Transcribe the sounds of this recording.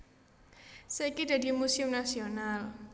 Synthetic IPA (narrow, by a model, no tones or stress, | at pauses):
səikida̤dimusɪmnasional